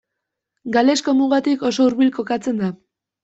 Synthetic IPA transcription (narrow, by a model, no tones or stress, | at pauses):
ɡale̞sko̞muɣat̪iko̞so̞uɾβilko̞kat͡se̞nd̪a